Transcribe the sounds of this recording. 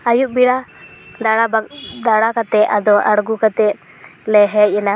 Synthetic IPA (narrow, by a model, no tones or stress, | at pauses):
ajuʔbiɽad̪aɽabad̪aɽakat̪ɛʔad̪ɔʔaɽɡukat̪ɛʔ | lɛɦɛc̚ˀɛna